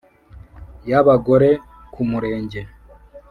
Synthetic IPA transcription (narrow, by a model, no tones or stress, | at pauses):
jaβaɡo̞ɾe̞ | kumuɾe̞ːɲɟe̞